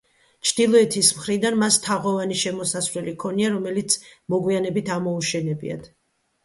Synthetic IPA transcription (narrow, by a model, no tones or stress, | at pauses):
t͡ʃʰd̪̥ilˠɔɛt̪ʰismχɾid̪anmast̪ʰaʁɔvaniʃɛmɔsasvɾɛlikʰɔniaɾɔmɛlit̪sʰmɔɡwianɛbit̪ʰamɔuʃɛnɛbḭa̰d̪̥